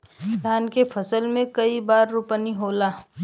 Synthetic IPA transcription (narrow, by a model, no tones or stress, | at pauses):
d̪ʱaːnkepʰɐsəlmẽkɐibaːɾːupəniɦoːlaː